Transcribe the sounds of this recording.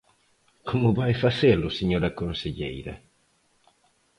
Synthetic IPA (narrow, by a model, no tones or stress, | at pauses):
kʰomʊβajfaselʊseɲoɾɐkõnseʎḛjɾɐ̰